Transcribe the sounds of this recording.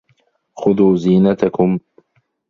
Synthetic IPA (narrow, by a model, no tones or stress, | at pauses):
xʊðuːziːnat̪akʊm